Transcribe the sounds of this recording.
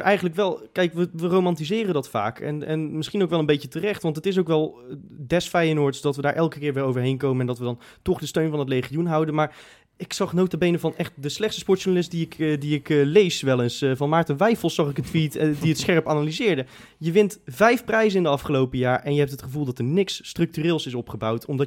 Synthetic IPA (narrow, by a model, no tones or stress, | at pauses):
ʔɛjχənləkʋɛlˠkɛjkʋəʋərowmɑntizɪːrəndɑtfa̰ːkɛ̰nɛ̰nmɪsχinowkʋɛlˠənbejcətərɛχtʋɑntətɪs̬owkʋɛlˠdɛsfɛjənʊɹtsdɑtʋədaːɹʔɛlˠkəkɪːɹʋɪːɹowvəɹɦejnkowmənɛndɑtʋədɑn | tɔχdəstøɥnvɑnətlejχijunɦʌwdənmaːɹ | ɪksɑχnowtəbejnəvɑnɛχt̚dəslɛχtstəspɔɹtʃunalɪst̚diɪkdiɪklejsʋɛlˠənsvɑnmaːɹtənʋɛjfəlˠsɑχɪkətʋitdiətsχɛɹəpaːnalizɪːɹdə | jəʋɪntvɛjfprɛjzənɪndəɑfχəlowpəjaːɹʔɛnjəɦɛp̚tətχəvulˠdɑtəɹnɪksːtrɵk̚tyrɪːlˠsɪs̬ɔpχəbɑwtʰɔmdɑ